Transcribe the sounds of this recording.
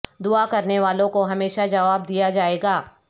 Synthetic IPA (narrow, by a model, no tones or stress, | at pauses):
d̪ʊakɐɾneʋaːlõkoɦɐmeːʃad͡ʒɐʋaːb̚d̪ijad͡ʒaːeːɡaː